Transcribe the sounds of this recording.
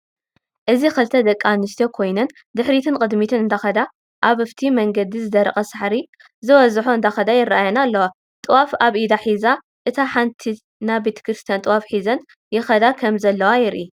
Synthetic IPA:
ʔɨzixɨlt̪ʰɐd̪ɐkʼːamnist̪ʰokʰo̞jnɐn | d̪ɨħɾit̪ʰɨnkʼɨd̪mit̪ʰɨnɨnd̪ʰaxɐd̪a | ʔaβɨft̪ʰimɐŋɡɐd̪izɨd̪ɐɾɐxʼɐsɨħɾi | zɨwɐzħoɨnd̪ʰaxɐd̪ajɪrːaʔajɐnalːɐwa | t̪ʼɨwafaβʔid̪aħiza | ʔɨt̪ʰaħant̪ʰi | nabet̪ʰɐ̥kɾɨst̪ʰijant̪ʼɨwafħizɐn | jɪxɐd̪akʰɐmzɐlːɐwajɪɾʔi

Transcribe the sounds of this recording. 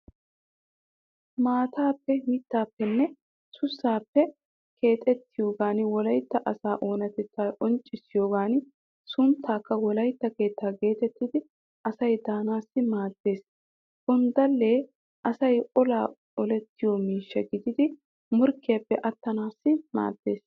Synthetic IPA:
maːt̪ʰaːpːɛmɪt̪ːaːpːɛnːɛ | sʊsːaːpːɛ | kʰe̞ːt̪ʼɛt̪ːɪjo̞ːɡaːnwɔlɐjt̪ːɐʔɐsaːʔo̞ːnɐt̪ɛt͡sːaːʔɔnt͡ʃʼːɪsːɪjo̞ːɡaːnɪ | sʊnt̪ʰːaːkːɐwɔlɐjt̪ːɐke̞ːt̪ːaːɡe̞ːt̪ɛt̪ːɪd̪ɪ | ʔɐsɐjd̪aːnaːsːɪmaːd̪̥ːe̞ːs | hʊnd̪ɐlːe̞ː | ʔɐsɐjɔlaː | ɔlɛt̪ːɪjɔmiːʃːɐɡɪd̪ɪd̪ɪ | mʊɾkːɪjɐpːɛʔɐt̪ːɐnaːsːɪma̰ːd̪̥ːe̞̰ːs

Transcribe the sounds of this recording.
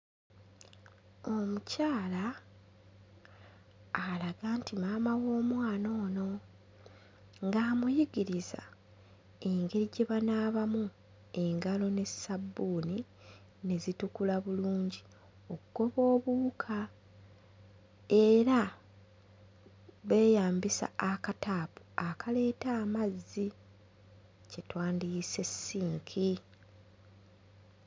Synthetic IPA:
o̞mucaːla | laɡaːntimaːmawo̞ːmwaːno̞ːno̞ | ŋɡaːmujiɡiɾiza̰ | e̞ŋɡe̞ɾiɟe̞βanaːβamu | e̞ŋɡalo̞ne̞sabːuːni | ne̞zitukulaβuluːɲɟi | okuɡo̞βo̞ːβukʰa | e̞ɾa | βe̞ːjaːmbisa̰akatapu̥akʰale̞ːtaːmazːi | cetwaːndise̞sːiːŋkʰi

